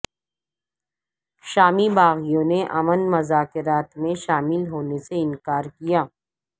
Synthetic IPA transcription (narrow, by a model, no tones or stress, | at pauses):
ʃaːmibaːɣijõneʔɐmənmɐzaːkɪɾaːt̪mẽʃaːmɪlɦoːneseɪ̃nkaːɾkijaː